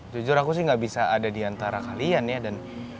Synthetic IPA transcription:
d͡ʒud͡ʒʊɾakus̬ɪhŋɡaʔbisaadadiant̪aɾakalianjadan

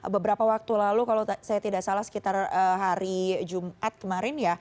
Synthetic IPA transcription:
bəbəɾapawak̚t̪ulalukalosajat̪idaʔsalahsə̥kit̪arəɦaɾid͡ʒumʔat̪̚kəmaɾɪnja

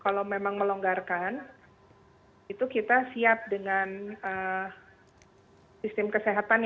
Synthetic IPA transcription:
kalawmemaŋməloŋɡarkan | it̪ukit̪asiap̚dəŋanə | sist̪ɪmkəseɦat̪an

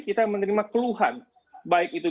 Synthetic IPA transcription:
kit̪amənəɾimakəluɦan | baɪk̚it̪u

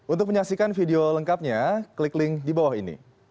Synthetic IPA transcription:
ʔunt̪ʊk̚məɲaksikanfideoləŋkap̚ɲakliklɪŋdibawaɦinḭ

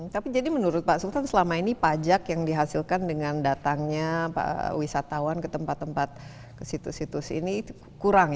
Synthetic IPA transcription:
t̪apid͡ʒadimənuɾʊt̪̚paʔsult̪ansəlamainipad͡ʒakjaŋdiɦasilkandəŋandat̪aŋɲaa̰wisat̪awankət̪əmpat̪ːəmpat̪̚ | kəsit̪ṵsit̪usḭni | kuɾaŋ

